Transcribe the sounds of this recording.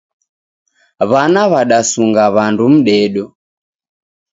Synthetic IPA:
βanaβaɗasuŋɡaβandum̩ɗɛɗɔ

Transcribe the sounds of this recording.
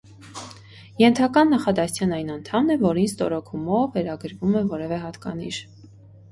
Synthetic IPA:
jɛnt̪ʰɑkɑnːɑχɑd̪ɑst͡sʰjɑnɑjnɑnt̪ʰɑmnɛvɔɾinst̪ɔɾɔkʰumɔvːɛɾɑɡəɾvumɛvɔɾɛvɛɦɑt̪kɑ̰nḭʃ

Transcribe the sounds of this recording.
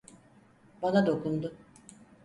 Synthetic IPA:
banad̪o̞kund̪u

